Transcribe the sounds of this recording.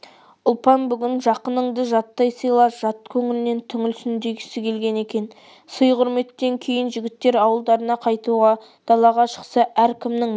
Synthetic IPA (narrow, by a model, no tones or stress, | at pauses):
ʊlˠpɑnbʏɡʲɪnʒɑqənəɴd̪əʒɑt̪ːɑjsijlˠɑʒ̥ɑt̪kʲʰɵŋɪlɪne̞nt̪ʰʏŋɪlsʏnd̪eɡʲɪsɪkʲʰe̞lɡʲe̞ne̞kʲe̞n | səjqʰʊɾme̞t̪ːe̞ŋkʲʰe̞jɪnʒɪɡʲɪt̪ːe̞ɾɑwəlˠd̪ɑɾənɑqʰɑjt̪uʁɑ | d̪̥ɑlˠɑʁɑʃə̥qsɑʔæɾkʲʰɪmnɪŋ